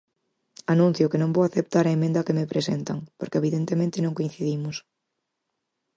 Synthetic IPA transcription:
anũn̟θjʊkenõŋbowaθep̚t̪aɾɐemẽnd̪ɐkemepɾesent̪ɐŋpoɾkeβiðent̪emẽnt̪ɪnõŋkoĩn̟θiðimʊs

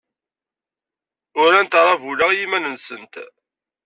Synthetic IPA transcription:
ʊɾænt̪ɾˤɑvulaʁjimænənsənt̪

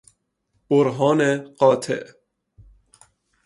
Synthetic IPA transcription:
b̥oɾɦɒːneɢɒːt̪ʰḛʔ

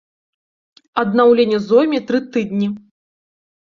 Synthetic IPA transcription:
ɐd̪nawlʲenʲɛzɔmʲit̪ɾɨt̪ɨd̪nʲi

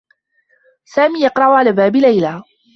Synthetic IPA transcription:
saːmiːjɑqɾˤɑʔʊʕalaːbaːbɪlajlaː

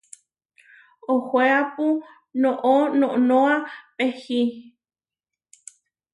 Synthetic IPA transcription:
ohweapu | nõʔonõʔnõapehi

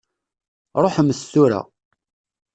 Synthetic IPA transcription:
ɾˤoħmːəst̪ːuɾa̰

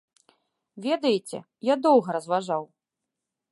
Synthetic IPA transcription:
vʲɛd̪ɐjet͡sʲɛ̰ | jad̪ɔwɣɐɾɐzvaʐaw

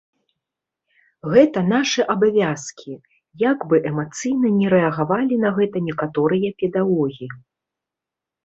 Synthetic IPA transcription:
ɣɛt̪ɐn̪aʂɨʔabavʲaskʲʰi | jaɡbɨʔɛmat̪sɨjnɐnʲɛɾɛɐɣavalʲinɐɣɛt̪ɐnʲɛkat̪ɔɾɨjɐpʲɛd̪aɣɔɣʲiji

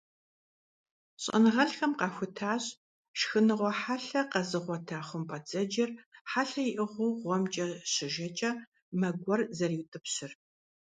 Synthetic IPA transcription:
ɕʼɐ̰nɨʁɐɬxɐmqɑːxʷʊtʰaːɕ | ʃxɨnɨʁʷɔħaɬɐqɐzɨʁʷɔtʰaːχʷʊmpʼɐt͡sʼɐd͡ʒɪrħaːɬɐjɪʔɨʁʷʊwʁʷɔmt͡ʃʼɐɕɪʒɐt͡ʃʼɐ | mɐɡʷɔrzɐriːwtʼɨpɕɪr

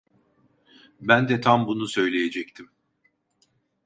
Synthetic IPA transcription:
bænd̪ɛt̪ʰambunusø̞jlʲejed͡ʒɛct̪ʰim

